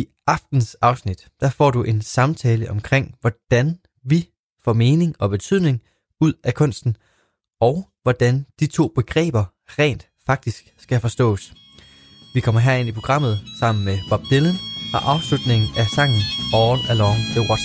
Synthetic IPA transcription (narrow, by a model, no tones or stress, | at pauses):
i | ɑ̈fd̥n̩sɑ̈ʊsnid̥d̥æfɒ̰ːduʔe̝nsɑ̈mt͡sʰɛːləʔɒ̽mkʰʁeŋ̰ʋɒd̥æn | ʋi | fɒ̰ːme̝ːne̝ŋɒ̽b̥e̝t͡sʰyð̰ˠne̝ŋ | uð̰ˠækʰɔ̽n̰sd̥n̩ | ɒ̽ʊʋɒd̥ænd̥it͡sʰo̝̰ːb̥e̝ɡ̥ʁɛ̰ːb̥ɐ | ʁɛ̰ːnd̥ | fɑ̈ɡ̥̚d̥isɡ̥sɡ̥æfɒ̽sd̥ɔ̰̽ːs | ʋikʰɒ̽m̰ɐɦeɐe̝n̰ipʰʁo̝ɡ̥ʁɑ̈m̰ð̩ˠsɑ̈m̰n̩meb̥ɑ̈b̥̚d̥elənhɑ̈ʔɑ̈ʊslud̥ne̝ŋn̩æsɑ̈ŋ̰n̩ɒːlælɒnt͡sʰeʁɒ̥